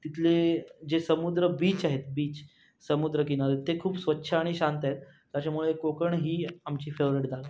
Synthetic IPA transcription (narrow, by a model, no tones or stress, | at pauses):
t̪it̪ʰled͡ʑesəmud̪ɾəbiːt͡ɕaɦet̪biːt͡ɕ | səmud̪ɾək̬inalet̪ekʰuːpsʋətːɕʰəːɽ̃iɕant̪aɦet̪ːjat͡ɕamuɭekokəɳɦiːamt͡ɕiːfeʋɾiʈd͡zal